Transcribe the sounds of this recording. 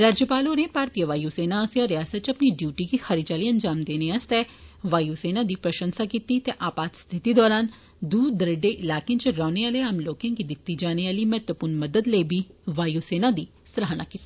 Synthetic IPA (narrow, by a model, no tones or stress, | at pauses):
ɾaːd͡ʒjəpaːlonẽpaːɾt̪ijəʋaːjuseːnasaɾɪjaːsət̪t͡ʃɐpniɖjuːʈikixɐɾit͡ʃaːliːənd͡ʒaːmd̪eːneast̪ɛːʋaːjuseːnad̪iːpɾɐʃə̃nsakiːt̪it̪eʔaːpaːt̪st̪ʰɪt̪id̪ɔːɾaːn | d̪uːd̪əɾəɖeʔɪlaːkẽt͡ʃɾɔːneaːleaːmloːkãːkid̪ɪt̪ːid͡ʒaːneaːliːmɛɦt̪ʋəpʊɾnməd̪əd̪ləːbʱiːʋaːjuseːnad̪iː | sɾaɦnaːkit̪i